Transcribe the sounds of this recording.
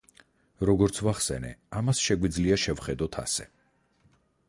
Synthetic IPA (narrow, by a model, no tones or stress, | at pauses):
ɾɔɡɔɾt̪sʰvaχsɛ̰nɛamasʃɛɡwid̪zliaʃɛvχɛd̪ɔt̪ʰa̰sɛ